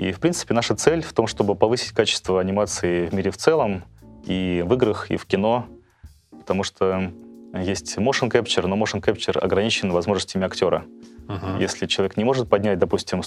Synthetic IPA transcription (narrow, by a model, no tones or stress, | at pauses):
ḭfpɾʲint̪sɨ̥pʲɪnaʂət̪sɛlʲft̪o̞mʂt̪o̞bɨpɐvɨsʲɪ̥tʲkat͡ɕɪ̥st̪vəɐnʲɪmat̪sɨɪvmʲiɾʲɪft̪sɛlˠəmivɨɡɾɨxḭfkʲɪno̞ | pə̥t̪ɐmuʂt̪ʰo | jesʲtʲmoʂɨnkɛpt͡ɕɪrnomoʂɨnkɛpt͡ɕɪrɐ̰ɡɾɐnʲit͡ɕɪnvɐzmo̞ʐnəsʲtʲɪmʲɪɐktʲo̞ɾə̰ | jesʲlʲɪt͡ɕɪlˠɐvʲeknʲɪmo̞ʐɨt̪̚pɐdʲnʲætʲd̪ɐpusʲtʲɪm